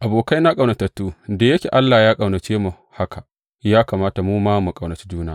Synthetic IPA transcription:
ʔa˨boː˨ka˦jna˦kʼɐ˨wnɐ˨tɐ˨tːuː˦da˨jɐ˦kʲḛ˨ʔa˦lːaː˨jaː˦kʼɐ˨wnɐ˨t͡ʃeː˦mu˨ | ha˦kʰa˨ | jaː˦kaː˨maː˦ta˨muː˦maː˦mu˨kʼɐ˨wnɐ˨t͡ʃi̥˦d͡ʒuː˦na˦

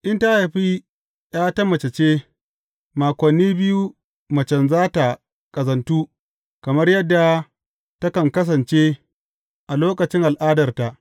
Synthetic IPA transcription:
ʔɪ˦nta˦ha˨ɸi˦ | j̰aː˦tɐ˦mːɐ˨t͡ʃe˨t͡ʃeː˦ | maː˨kʷɐ˨nːiː˦bɪ˦ju˦ | mɐ˨t͡ʃɐ˨nzaː˦ta˨ | kʼɐ˨zɐ˨ntuː˦ | kɐ˨mɐ˦rjɐ˦dːa˨ | tɐ˦kɐ˨ŋkɐ˦s̬ɐ˨nt͡ʃe˦ | ʔa˨loː˦kɐ˨t͡ʃɪ˦ŋʔa˨lʔaː˦dɐ˨rta˨ʔ

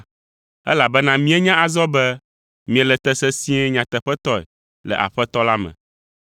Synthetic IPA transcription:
ɛ̰˦la˨bɛ˦nã˦mĩ˦ɛ˦ɲã˦a˨zɔ˦bɛ˦ | mĩ˨e˨lɛ˨t̪ɛ˦sɛ˦sĩ˦ɛ˦ɲã˨t̪ɛ˨ɸɛ˦t̪ɔ˦ɛ̰˨ | lɛ̰˨ʔa̰˨ɸɛ˦t̪ɔ˦la˦mɛ̰̃˨

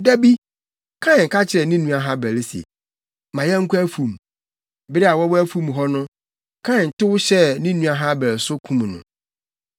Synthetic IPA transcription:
dæ˦bi˦ | kʰã˦˨ŋ̩˨kʰa˦t͡ɕʰɪ˨ɾɛ˨nĩ˦nũ˦a˨ɦã˦bɛ˨lɪ˦si˨ḛ˨ | mã˨jɛ˦ŋ̩˦kʰu˦æ˦fũ˨m˨ | bɪ˦ɾɪ˦a˨wɔ˦wæ˦fũ˦m˨ɦɔ˦nʊ̃˦ | kʰã˦˨n̩˨tɪ˦wʊ˦ɕɛ˦nĩ˦nũ˦a˨ɦã˦bæ˨ɾsʊ˦kʰũ˦m˨nʊ̰̃˨

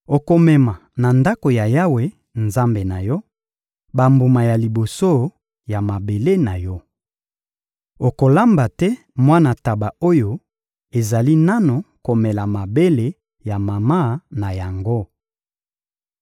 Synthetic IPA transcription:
o˨ko˨mɛ˨ma˨na˨nda˦ko˨ja˨ja˦we˨ | nza˦mbe˨na˨jɔ˦ | ba˨mbu˨ma˨ja˨li˨bo˨so˦˨ | ja˨ma˨be˨le˦na˨jɔ˦ | o˨ko˨la˦mba˨tɛ˦ | mwa˦na˨ta˨ba˨o˦jo˦ | e˨za˨li˦na˦no˨ko˨mɛ˨la˨ma˨be˦le˦ | ja˨ma˨ma˦˨na˨ja˨ŋɡo˦

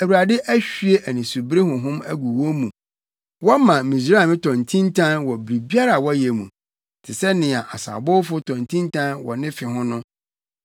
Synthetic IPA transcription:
æ˨wu˨ɾa˨dɪ˦ʔæ˦ɕᶣɥe˦ʔæ˨nĩ˨su˨bɾe˦ɦʊ̃˨ɦʊ̃˦mæ˦ɡu˨wɔ˦mũ˨ | wɔ˦mã˨mĩ˨sɾa˨mɪ̃˦tʰɔ̃˨ntʰĩ˦ntʰã˦nwɔ˨bɾi˨bi˦a˦ɾa˨wɔ˦jɛ˨mṵ̃˨ | tʰɪ˨sɛ˦nɪ̃˨a˨ʔa˨sa̰˨bʊ˦fʊ˦tʰɔ̃˨ntʰĩ˦ntʰã˦nwɔ̰˨nɪ̃˦fɪ˨ɦʊ̃˦nʊ̃˦

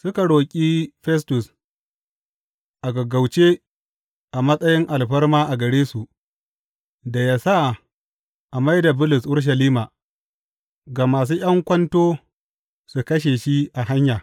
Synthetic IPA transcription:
sʊ˦ka˨ɽoː˨kʲʼi˦ɸɛ˦s̬tʊ˨s | ʔa˨ɡɐ˨ɡa˨wt͡ʃe˦ | ʔa˨mɐ˦sʼɐ˦jɪ˦ŋʔa˨lɸɐ˦rmaː˦ʔa˨ɡɐ˨ɽeː˦su˨ʔ | da˨jaː˦sa˦˨ | ʔa˨ma˦jda˨bʊ˦lʊ˨sʔʊ˦ɾʃ̬ɐ˨liː˦maː˨ | ɡaː˨maː˨s̬uː˦j̰ɐ˦ŋkʷɐ˦ntoː˦ | su˨kɐ˦ʃ̬e˨ʃi˦ʔa˨ɦa˦ɲjaː˨

